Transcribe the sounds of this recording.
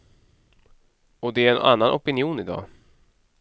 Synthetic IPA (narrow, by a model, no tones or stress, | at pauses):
ɔd̪ɛæɾɛnʔa̰nːanʔɔpɪnɪuːnɪd̪ɑ̰ː